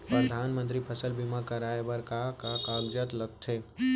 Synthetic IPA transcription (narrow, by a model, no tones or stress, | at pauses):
pɾəd̪ʱaːnmə̃nt̪ɾipʰəsəlbimakəɾaːebəɾkakakaːɡd͡ʒət̪ləɡ̚t̪ʰeː